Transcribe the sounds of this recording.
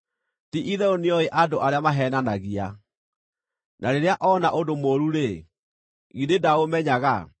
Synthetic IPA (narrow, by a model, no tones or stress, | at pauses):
tiʔiðɛoniɔeʔadoʔaɾeamaɦɛnanaɣia | nʔaɾeɾeaʔɔnaʔodomoɾuɾe | ɣidedaomɛɲaɣa